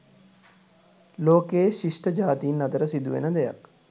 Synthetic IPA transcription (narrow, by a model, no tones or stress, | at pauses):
loːkeːʃiʂʈəd͡ʒaːt̪iːnːɐd̪əɾəsid̪uʋḛnəd̪eja̰k